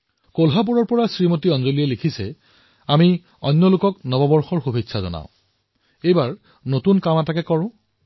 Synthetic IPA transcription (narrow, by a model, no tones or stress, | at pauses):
kolɦap̬uɹɔɹpɔɹasɹimotiɔnzolijɛlikʰisɛ | ami | ɔ̰nːɔlʊkɔknɔbɔbɔɹxɔɹxubʱitːsʰazɔ̰na̰ʊ̃ | ejbaɹ | notunkamatakɛkɔɹʊ̃